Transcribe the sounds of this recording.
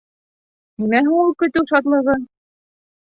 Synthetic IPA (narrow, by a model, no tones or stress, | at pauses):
nimæɦuulˠkɵ̆t̪ɘwʃɑt̪lˠɤ̆ʁɤ